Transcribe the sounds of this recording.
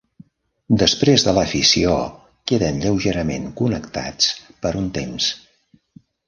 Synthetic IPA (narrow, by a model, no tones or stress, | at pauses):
d̪əspɾezðələfisio̰ | keðənʎəwʒeɾəmḛŋkunəkt̪a̰t͡spəɾunt̪ems